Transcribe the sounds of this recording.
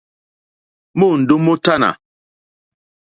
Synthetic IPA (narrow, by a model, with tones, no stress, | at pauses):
mo˦˨n̩˨do˦mo˦ta˦na̰˨